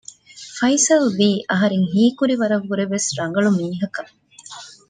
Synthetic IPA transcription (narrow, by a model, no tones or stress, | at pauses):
fɐjsɐlʋiːʔɐɦɐɾeŋɦiːkuɾiʋɐɾɐʋːuɾeʋesɾɐŋ̆ɡɐɭumiːɦɐkɐ